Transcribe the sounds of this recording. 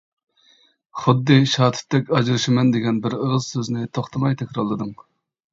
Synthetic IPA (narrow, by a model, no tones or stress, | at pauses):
χʊd̪ːɨʃɑːt̪ʰɪ̥t̪ːɛkʲɑd͡ʒɾɨʃɪmɛnd̪eɡʲɛnbɪɾəʁəzsøznɪt̪ʰoχt̪ʰɨmɑjt̪ʰɛkʲɾɑlˠːɨd̪ɨŋ